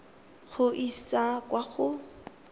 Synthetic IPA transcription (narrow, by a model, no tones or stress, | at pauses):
χʊʔisakwaχʊ